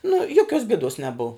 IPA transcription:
nʊ ˈjoːˌkʲoːs bʲeːˈdoːs nʲɛˈbʊw

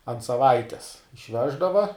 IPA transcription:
ɐnt sɐˈʋɐɪtʲɛs ɪʃʲˈʋʲæːʒdɐʋɐ

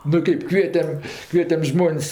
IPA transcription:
nʊ ˈkɜp ˈkʋʲiɛtʲɛm ˈkʋʲiɛtʲɛm ˈʒmoːnʲsʲ

